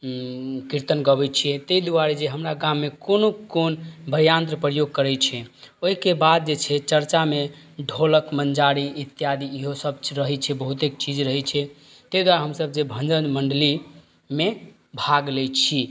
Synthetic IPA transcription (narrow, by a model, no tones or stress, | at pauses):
kiɾt̪ənɡəbɛt͡ʃʰiɛt̪eid̪uaɾid͡ʒeɦəmɾaɡãmːekonokonbʱəjant̪ɾəpɾəjoɡ̚kəɾɛt͡ʃʰɛoɦikebad̪̚d͡ʒet͡ʃʰɛt͡ʃəɾt͡ʃame | ɖʱoləkmənd͡ʒaɾiit̪ːjad̪iːɦosəb̚ɾəɦɛt͡ʃʰɛbəɦut̪ekt͡ʃid͡ʒɾəɦɛt͡ʃʰɛ | t̪ed̪waɾɦəmsəb̚d͡ʒebʱə̃nd͡ʒənməɳɖəli | me | bʱaɡlɛt͡ʃʰi